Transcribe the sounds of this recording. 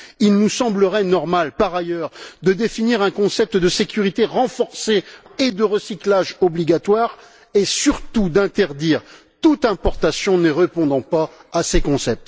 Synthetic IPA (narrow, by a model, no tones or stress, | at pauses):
ilnusɑ̃bləʁɛnɔʁmalpaʁajœʁd̪əd̪efiniʁɛ̃kɔ̃sɛp̚t̪əd̪əsekʲyʁit̪eʁɑ̃fɔʁseed̪əʁəsiklaʒɔbliɡat̪waʁ | esyʁt̪ud̪ɛ̃t̪ɛʁd̪iʁ | t̪ut̪ɛ̃pɔʁt̪asjɔ̃nəʁepɔ̃d̪ɑ̃paːsekɔ̃sɛp̚t̪